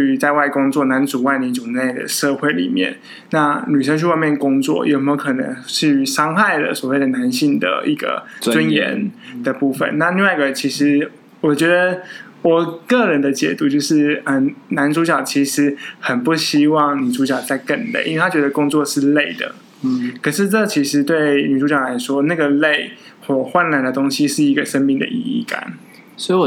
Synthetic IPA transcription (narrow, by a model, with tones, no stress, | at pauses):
y˧˥t͡sa˥˧ɪwa˥˩ɪkʊ˥ŋt͡swɔ˥˩na˧˥nt͡su˨˩wa˥˩ɪni˧˥t͡su˨˩d̪ə˦˩na˥˩d̪ə̰˩ʂɤ˥˧xwe˥˩ɪlḭ˨˩mjɛ̰˥˩n | na˥˩ny˨˩ʂə˥ŋt͡ɕ̬ʰy˥˧wa˥˧ɪmjɛ˥˩nəkʊ˥ŋt͡swɔ̰˥˩jʔo̰˨˩xə˨˩mjo˧˥ʊkʰɤ˨˩nə̰˧˥ŋʂɻ̩˥˩y˧˥ʂɑ˥ŋxa˥˩ɪd̪ə̰˩swɔ˨˩we˥˩ɪd̪ə˩na˧˦nɕi˥˩ŋd̪ə̰˩i˥˩ɡə̰˩t͡swə˦njɛ̰˧˥nd̪ə˨pu˥˩fə̰˨˩nna˥˧li˥˧ŋwa˥˩ɪɡə˩t͡ɕʰi˧˥ʂɻ̩˧˥ | wɔ˨˩t͡ɕɥɛ˧˥d̪ə˧ | wɔ˨˩kɤ˥˩ɻə˧˥nd̪ə˨t͡ɕjɛ˨˩t̪u˧˥t͡ɕjo˥˧ʊʂɻ̩˥˩ə˩na˧˥nʈ͡ʂu˧˥t͡ɕjɑ˨˩ʊt͡ɕʰi˧˥ʂɻ̩˧˥xə˨˩npu˥˩ɕi˥wɑ˥˩ŋni˨˩ʈ͡ʂu˧˥t͡ɕjɑ˨˩ʊt͡sa˥˧ɪkə˥˧nlḛ˥˩ɪi˥nwe˥˧a˥t͡ɕɥɛ˧˥d̪ə˧kʊ˥ŋt͡swɔ˥˧ʂɻ̩˥˧le˥˩ɪd̪ə̰˩ | kʰə˨˩ʂɻ̩˥˧ʈ͡ʂɤ˥˩t͡ɕʰi˧˥ʂɻ̩˧˦t̪we˥˩ɪny˨˩ʈ͡ʂu˧˥t͡ɕjɑ˨˩la˧˥ɪʂwɔ˥na˥˩ɡə˩le˥˩ɪ | xwɔ˥˩xwa˥˧nla˨˩nd̪ə˨t̪o˥ŋɕi˥ʂɻ̩˥˩i˧˥ɡə˨ʂə˥nmi˥˩ŋd̪ə̰˩ʔḭ˧ḭ˥˩ka̰˨˩˦n | swɔ˧˥i˨˩